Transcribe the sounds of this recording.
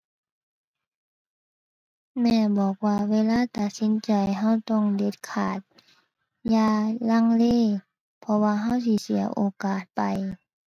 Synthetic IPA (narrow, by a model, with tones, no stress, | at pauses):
mɛː˧˩bɔː˨˩k̚waː˧weː˧˨laː˧˥˨t̪a˨˩t̪̚si˨˧˦nt͡ɕa˨˩jɦa˧˥˩wt̪ɔ˧˩˨ŋde˧˦t̪̚kʰa̰ː˨˩t̪̚ | jaː˧la˧˥˨ŋleː˧˥˨ | pʰɔ˧waː˧ɦa˧˥˨wsi˧˨si˨˦ɐʔoː˧˦kaː˨˩t̪̚pa˨j